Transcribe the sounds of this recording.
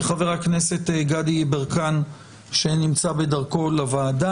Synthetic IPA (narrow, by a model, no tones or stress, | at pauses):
χaveʁakne̞se̞tɡadibeʁkan | ʃenimt͡sabe̞daʁko̞lavaːda